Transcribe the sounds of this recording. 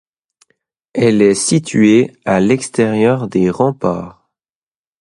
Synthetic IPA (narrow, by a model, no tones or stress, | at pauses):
ɛlɛsit̪ʰɥealɛkst̪ɛʁjœʁd̪eʁɑ̃paːʁ